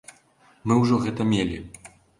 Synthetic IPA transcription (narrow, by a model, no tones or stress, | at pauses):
mɨwʐɔɣɛt̪ɐmʲelʲḭ